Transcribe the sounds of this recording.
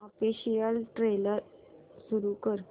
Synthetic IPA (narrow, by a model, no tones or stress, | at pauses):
ɔfiɕijəlʈɾeləɾsuɾukəɾ